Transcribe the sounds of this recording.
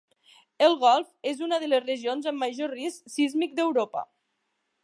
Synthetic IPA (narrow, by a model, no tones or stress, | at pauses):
əlˠɣɔlˠfezunəðələzrəʒionzəmːəʒorisksizmik̚d̪əwɾopə̰